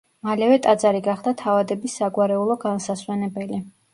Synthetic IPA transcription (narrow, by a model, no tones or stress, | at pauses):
malɛvɛt̪ʼad̪zaɾiɡaχd̪at̪ʰavad̪ɛbisːaɡwaɾɛulˠɔɡansaswɛnɛbɛli